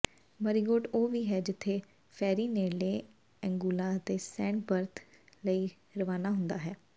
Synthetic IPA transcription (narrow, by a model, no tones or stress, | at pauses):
məɾiːɡoːʈoːʋiːɦɛːd͡ʒɪt̪ʰːeː | pʰɛːɾiːneːleː | ɛ̃ŋɡuːlaːt̪eːsɛ̃ːɳʈbəɾt̪ʰ | ləiː | ɾəʋaːnaːɦʊ̃nd̪aːɦɛː